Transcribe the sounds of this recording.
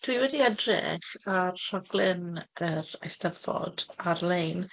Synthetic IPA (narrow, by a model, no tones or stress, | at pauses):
tʰwiwɛdiɛdrɪ̰χarr̥ɔɡlˠɪnəɾa̰jstəvɔ̰d̥arlejn